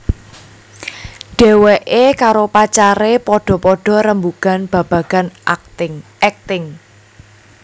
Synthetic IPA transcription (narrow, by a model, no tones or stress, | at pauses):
ɖ̥e̤weʔekaɾopat͡ʃaɾepɔɖ̥ɔ̤pɔɖ̥ɔ̤ɾəmbuɡ̥a̤nb̥ä̤b̥ä̤ɡ̥a̤n | ɛk̚t̪ɪŋ